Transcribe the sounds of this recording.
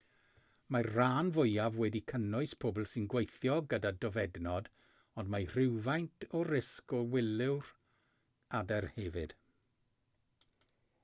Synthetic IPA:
marraːnvʊjavwɛdikʰənʊɨspʰoːblˠsɨnɡwejθjɔɡədadɔvɛdnɔd | ɔndmajr̥ɪwvajntʰɔɾɪskɔwɪlɪwr | adɛrhɛvɨd̥

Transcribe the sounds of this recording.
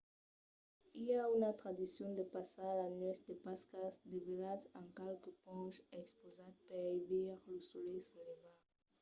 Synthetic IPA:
ilaynat̪ʁad̪isjɔ̃d̪əpasalanɛsd̪əpaskasd̪evelat̪ɑ̃kalkəpɔ̃ʃɛkspozat̪̚pɛvɛʁləsolɛjseleva

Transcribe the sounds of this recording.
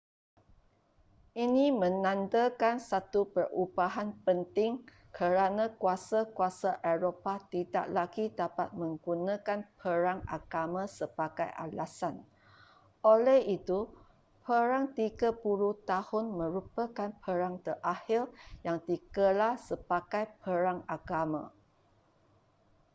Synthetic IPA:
ʔinĩmə̃nãndəkansat̪upərubaɦanpənt̪ɪŋ | kʰəɾanãkuasakuasaʔeɾopat̪ida̰ʔlaɡidapat̪̚mə̃ŋɡunãkanpʰəɾaŋa̰ɡamãsəbaɡajʔa̰lasan | ʔolɛhit̪u | pʰəɾaŋt̪iɡapulut̪ahʊnmə̃ɾupəkanpʰəɾaŋt̪ərʔahirjaŋt̪ikəlahsəbakajpʰəɾaŋaɡamã̰

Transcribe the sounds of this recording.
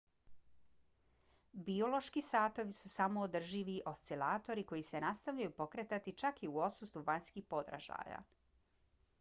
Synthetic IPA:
bio̞lo̞ʃkisaːt̪o̞ʋisusamo̞ːd̪r̩ʒiʋiʔo̞st̪elaːt̪o̞ɾiko̞jise̞nast̪aʋʎajupo̞kɾet̪at̪it͡ʃakiuo̞sust̪uʋaɲskihpo̞d̪ɾa̰ʒa̰ja̰

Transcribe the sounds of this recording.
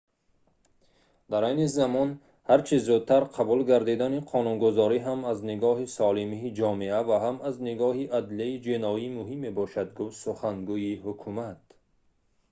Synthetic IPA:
d̪aɾajnizamɔn | haɾt͡ʃʰizud̪̚t̪ʰaɾqʰabulɡaɾd̪id̪aniqʰɔnunɡuzɔɾiɦamazniɡɔɦisɔlimiːd͡ʒɔmeavaɦamazniɡɔɦiʔad̪liaid͡ʒinɔimuɦimːebɔʃad̪ɡufsuχaŋɡuihukʰumat̪

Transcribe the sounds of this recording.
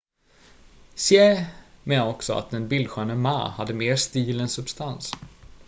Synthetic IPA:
sɪɛmeːnaɾɔksɔa̰t̪̚d̪ɛnbɪld̪ɧœːnəma̰ːhad̪ːəmeːɾʂt̪iːlɛnsɵbst̪ans

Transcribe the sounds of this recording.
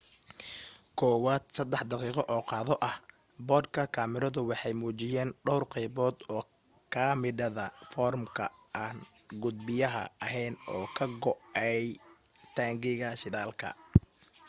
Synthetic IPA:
kʰɔːwaːd̪sɐd̪ɛħd̪ɑqiːqɔʔɔːqɑːðɔʔɐh | bɔːd̪kʰɐkʰaːmɪɾɐðʊwɑħɑjmuːt͡ʃɪjɛːnɖɔwrqɛjβɔːd̪ɔː | kʰaːmɪɖɐðɐfɔːrmkʰɐ̰ʔaːnɡʊd̪̚bɪjɐɦɐ̰ɐɦɛjnɔːkʰɐɡɔʔɛj | t̪ʰaːŋɡɪɣɐʃɪðaːlkʰɐ̰

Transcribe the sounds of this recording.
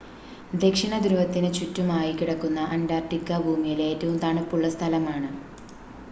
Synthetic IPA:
d̪e̞kʂiɳɐd̪uɾuʋɐt̪ːinɨt͡ɕutːumaːjikiɽɐkːunːɐʔɐndaːrʈːikːɐbʱuːmijilejtːuund̪aːɳɨpːuɭːɐst̪ʰɐlɐmaːɳɨ

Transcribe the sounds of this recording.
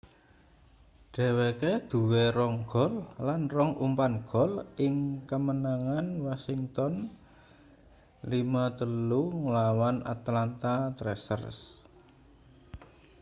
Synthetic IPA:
ɖ̥ɛ̤weked̪̥ṳweɾɔŋɡ̥ɔ̤lːanrɔŋʔumpanɡ̥ɔ̤lɪŋkəmənaŋanwasiŋt̪ɔn | limat̪əluŋəlawanʔa̰t̪lant̪at̪ɾɛsə̰rs

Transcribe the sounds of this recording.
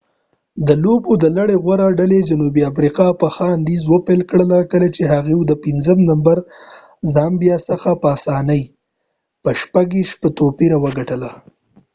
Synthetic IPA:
d̪əlobod̪əlaɽeɣwaɾaɖaled͡ʒanubiafɾiqɑpəxɑnd̪izwəpelkɽəlakəlat͡ʃeɦaɣewud̪əpinzəmnambaɾ | zɑmbjɑsəxapəasɑnəj | pəʃpaɡiʃpət̪opiɾawəɡaʈəla

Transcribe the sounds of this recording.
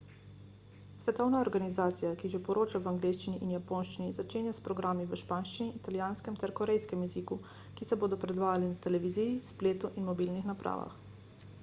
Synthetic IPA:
sʋɛt̪ɔwnaɔɾɡanizaːt̪sijakiʒepɔɾoːt͡ʃaʋaŋɡleːʃt͡ʃiniʔinjapoːnʃt͡ʃinizat͡ʃeːnjaspɾɔɡɾaːmiʋəʃpaːnʃt͡ʃiniːt̪aljaːnskɛmt̪ɛɾkɔɾɛjskɛmjɛziku | kisɛboːd̪ɔpɾɛd̪ʋaːjalinat̪ɛlɛʋizijispleːt̪uʔinmɔbiːlnixnapɾʔa̰ːʋa̰x

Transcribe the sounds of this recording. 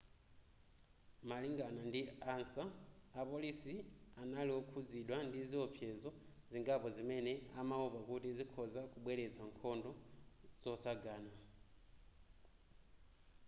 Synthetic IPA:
maliŋɡanandiansaːpolisianaliwokʰud͡ziɗwandiziopʰjezo | ziŋɡapozimeneamauβakutizikʰozakuɓweled͡zaŋkʰondoz̥osaɡana

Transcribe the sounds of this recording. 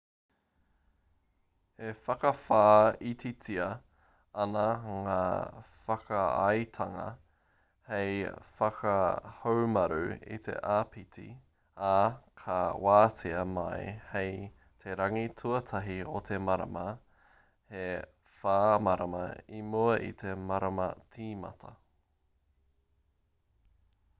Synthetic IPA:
efɐkɐfaːitit͡siɐ | ɐnɐŋaːfɐkɐɐ̰jt̪ʰɐŋɐ̰ | hejfɐkʰɐhowmɐɾʉ̰ḭt̪ʰe̞̰ʔaːpʰitʰḭ | akʰɐwaːtʰiɐmɐjhej | t̪ʰeɾɐŋitʰuɐtʰɐɦiot̪ʰemɐɾɐ̰mɐ | he | faːmɐɾɐmɐ̰imuɐʔḭt̪ʰemɐɾɐmɐ̰t͡sʰiːmɐ̰t̪ʰɐ

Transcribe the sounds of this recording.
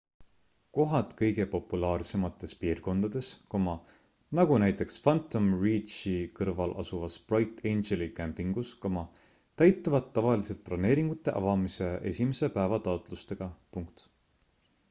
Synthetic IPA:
ko̞ɦɑt̪ˑkɤjɡ̥e̞po̞pːulɑːrse̞mɑt̪ːˑe̞spiːrko̞nd̪ɑd̪̥e̞skomɑ | nɑɡ̥unæjt̪ˑe̞ksfɑnt̪ːˑomriːtt͡ʃikɤrvɑlʔɑ̰suvɑsprɑjt̪ːˑejnd͡ʒelikæmpiŋɡ̥uskomɑ | t̪æjt̪ːuvɑd̪ːɑvɑlise̞lt̪̚plɑne̞ːɾiŋɡ̥ut̪ːˑe̞ʔɑ̰vɑmise̞ʔe̞̰sʲimese̞pæevɑt̪ɑot̪ˑlust̪e̞ɡ̥ɑpuŋkt̪

